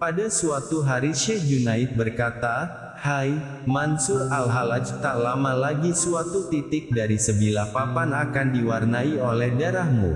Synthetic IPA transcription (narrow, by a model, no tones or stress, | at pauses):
padasuat̪uɦaɾiʃɛd͡ʒunaɪt̪̚bərkat̪a | haj | mansʊralɦalad͡ʒt̪alamalaɡisuat̪ut̪it̪ɪk̚daɾisəbilahpapanakandiwarnaiolɛhdaɾahmṵ